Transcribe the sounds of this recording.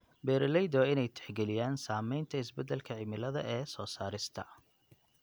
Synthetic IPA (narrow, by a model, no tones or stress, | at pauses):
bɛːɾlɛjd̪ɔɪnɛjt̪ʰɛ̥ħɡɛlɪjaːnsaːmɛjnt̪ʰɐɪsbɛd̪ɛlkʰɐʕɪmɪlɐðɐ̰ʔɛːsɔːsaːɾɪst̪ʰɐ̰